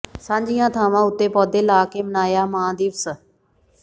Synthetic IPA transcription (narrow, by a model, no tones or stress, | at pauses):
sãːɲd͡ʒɪjãːt̪ʰaːʋãːʊt̪ːeːpɔːd̪eːlaːkeːmənaːjaːmãːd̪iːʋsə